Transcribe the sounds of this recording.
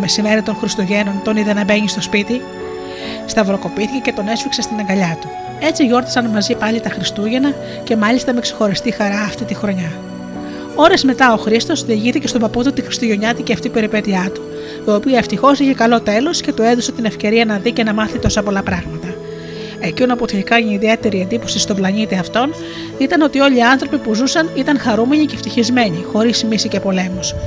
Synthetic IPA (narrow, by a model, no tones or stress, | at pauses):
me̞sime̞ɾit̪o̞nxɾist̪oʝe̞no̞nt̪o̞niðenɐbe̞ɲist̪o̞spit̪i | st̪ɐvɾo̞ko̞piθice̞ce̞t̪o̞ne̞sfiksest̪inɐŋɡɐʎɐt̪u | e̞t͡siʝo̞ɾt̪i̥sɐnmɐzipɐʎit̪ɐxɾist̪uʝe̞nɐ | ce̞mɐʎist̪ɐme̞ksexo̞ɾist̪ixɐɾɐːft̪it̪ixɾo̞ɲɐ | o̞ɾe̞zme̞t̪ɐoxɾist̪o̞sðiːʝiθice̞st̪o̞bɐpot̪ut̪ixɾist̪oʝo̞ɲɐt̪iceɐft̪ipe̞ɾipe̞t̪iɐt̪u̥ | t̪oːpiɐeft̪ixo̞siçe̞kɐlo̞t̪e̞lo̞sce̞t̪oe̞ðoset̪ine̞fce̞ɾiɐnɐðice̞nɐmɐθit̪o̞sɐpo̞lɐpɾɐɣmɐt̪ɐ | ecinoɐpot̪ʰiikɐniðie̞t̪e̞ɾie̞nd̪ipo̞sist̪o̞blɐnit̪iɐft̪o̞n | it̪ɐno̞t̪io̞ʎiɐnθɾo̞pipuzusɐnit̪ɐnxɐɾume̞ɲice̞ft̪içizme̞ɲixo̞ɾismisice̞po̞le̞mos